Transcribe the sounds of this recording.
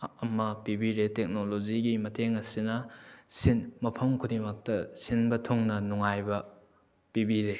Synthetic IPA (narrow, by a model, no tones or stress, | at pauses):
ɐmɐpibiɾetek̚nolod͡ʒiɡimɐtʰeŋɐsinɐsinmɐpʰɐmkʰudimɐk̚tɐsinbɐtʰoŋnɐnuŋajbɐ | pibiɾe